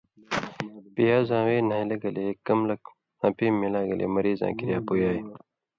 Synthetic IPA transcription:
pijaːzãːweːnaːilɐɡɐleːkɐmlɐk | ãːpiːmːilaːɡɐlʔḛːmɐɾiːzã̰ːkiɾjaːpujaːj

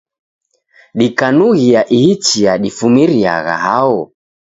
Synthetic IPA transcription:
ɗikanuɣiaʔihit͡ʃiaɗifumiɾia̰ɣa̰ɦaɔ

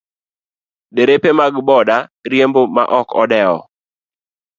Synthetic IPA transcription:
deɾepemaɡbɔdaɾjemboma̰ʔɔkɔdɛɔ̰

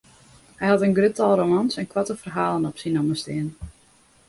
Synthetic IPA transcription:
hɛjhɑtənɡrøtalˠromansɛnkwatəfərɦaːlənɔpsinɔməstɪən

